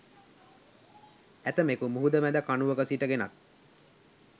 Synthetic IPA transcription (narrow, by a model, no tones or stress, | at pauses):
æt̪əmekumuɦud̪əmæd̪əkanuʋəkəsiʈəɡenak̪̚